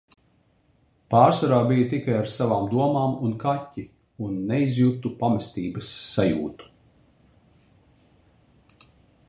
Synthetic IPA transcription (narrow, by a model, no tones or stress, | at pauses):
paːɾsvɔɾaːbijɐt̪ikajaɾsavaːmd̪uɔmaːmunkatʲːi | unːɛizjut̪upamɛst̪iːbɐsːajṵːt̪u̥